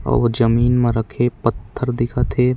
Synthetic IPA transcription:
ɔ̰ːɾʋd͡ʒəmiːnmẽɾəkʰepɐt̪ʰːəɾd̪ɪkʰat̪ʰe

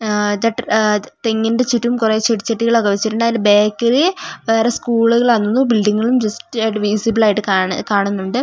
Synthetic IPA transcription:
d̪ɐʈt̪eŋːindet͡ɕiʈːuumkure̞ːt͡ɕeʈt͡ɕeʈːiɣɐɭokːɐʋɐt͡ɕːiʈuɳɖaːjilbe̞ːkːɐriʋe̞ːreskuːɭuɣɐɭɐnːunːubilɖiŋːɐɭumd͡ʑɐstɨiʈɨʋiːsibɐɭaːjiʈːɨkakaːɳunːuɳɖɨ

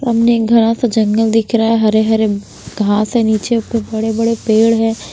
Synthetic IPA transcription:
ɾɐmnekɡʱɐɾãsad͡ʒɐ̃ŋɡəld̪ɪkʰɾaɛɦɐɾeɦɐɾe | ɡʱãːsɦɛniːt͡ʃeʊkebɐɽebɐɽepeːɽɦɛ̃ː

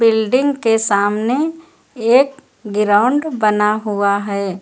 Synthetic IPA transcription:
bɪlɖɪ̃ŋɡkesaːmne | eːk̚ | ɡɪɾaʊ̃ɳɖbɐnaɦuaɦɛː

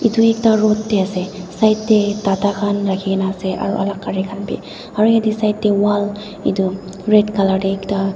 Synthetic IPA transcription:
ituɛk̚taɹɔtːɛasɛsajtːɛtatakʰanɹakʰikɛnaːsɛʔa̰ɹṵʔa̰lakːaɹikʰanpḭ | aɹujadisajtːɛwal | ḭtu | ɹɛtkaladɛɛkta

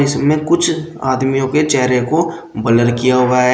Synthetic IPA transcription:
ɪsmẽkʊt͡ʃʰa̰ːd̪mijõket͡ʃɛɦɾeko | bɐləlkijaɦoaɦɛ

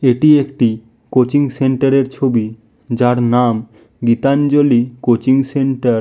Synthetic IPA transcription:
eʈiekʈi | kot͡ɕiŋseɳʈaɾeɾt͡ɕʰobi | d͡ʑaɾnam | ɡit̪and͡ʑolikot͡ɕiŋseɳʈaɾ

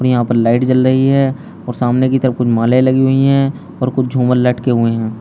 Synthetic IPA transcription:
pnijəɦãːpəɾlaːɪʈt͡ʃɐlɾəɦiɦɛ̃ | ɔːɾsaːmnekit̪əɾəfkʊt͡ʃʰmãːlelɐɡiɦʊiɦɛ̃ | ɔːɾkʊt͡ʃʰd͡ʒʱũːməlːɐʈkeɦʊeɦɛ̃ː

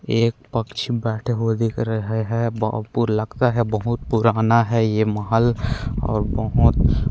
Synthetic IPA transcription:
eːk̚pɐkt͡ʃʰibɛːʈʰeɦod̪ikɾəɦeɦɛbpuɾlɐɡt̪aɦɛbɐɦʊt̪̚puɾaːnaɦɛjemɐɦəlɔ̰ːɾbəɦʊt̪

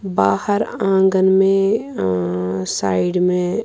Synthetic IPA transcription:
baːhəɾãːŋɡənmẽ | saːɪɖmẽ

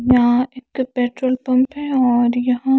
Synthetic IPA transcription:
jɐɦãɪkkpeːʈɾoːlpɐ̃mpɦɛɔːɾjɐɦã

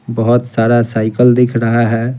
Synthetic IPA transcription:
bəɦʊt̪saɾasaɪkəld̪ɪkʰɾəɦaɦɛ

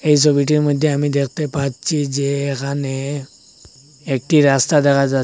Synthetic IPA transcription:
eis̬obiʈ̬iməd̪ʱːjeamid̪ekʰt̪epat͡st͡ɕid͡ʑeekane | ek̚ʈiɾast̪ad̪ɛkʰad͡zat̪

